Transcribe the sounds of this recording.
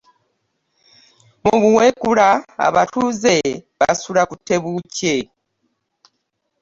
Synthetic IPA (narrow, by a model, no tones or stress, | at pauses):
muβuwekuɾaa̰βatuze̞βa̰suɾakutːe̞βuce